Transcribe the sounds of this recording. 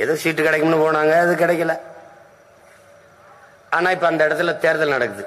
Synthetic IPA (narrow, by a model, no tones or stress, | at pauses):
ɛðoːsiːʈːɯkɪɽɛkːɐmnːɯpoːɳaːŋɡɐɪðɯkɪɽɛkʲːɐlɐ | aːnaːɪpːoɐnd̪ɐɪɽɐt̪ːɪlt̪eːɾɐðɐlnɐɽɐkːɯðɯ